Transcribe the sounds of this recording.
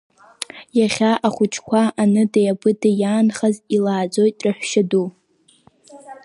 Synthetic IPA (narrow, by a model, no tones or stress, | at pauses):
jaχʲaʔaχʷʊt͡ʃʰkʷʰaʔanɨdajabɨdajaːnχazilaːd͡zo̞jtʼraħʷʃadu